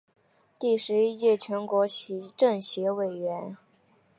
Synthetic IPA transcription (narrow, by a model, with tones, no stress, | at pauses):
t̪i˥˩ʂɻ̩˧˥i˥t͡ɕjɛ˥˩t͡ɕʰɥɛ˧˥nkwɔ˧˥ɕi˧˥ʈ͡ʂɤ˥˩ŋɕjɛ˧˥we˨˩ɪɥɛ˧˥n